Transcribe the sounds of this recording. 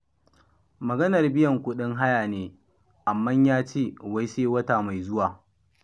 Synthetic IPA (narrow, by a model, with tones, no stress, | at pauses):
mɐ˨ɡɐ˦nɐ˨rbɪ˦jɐ˨ŋkʷʊ˦ɗɪ˦ŋɦa˦jaː˨neː˦ | ʔa˨mːɐ˦ɲjaː˦t͡ʃeː˦wa˦jseː˦wɐ˦ta˨ma˨jzʊ˦waː˨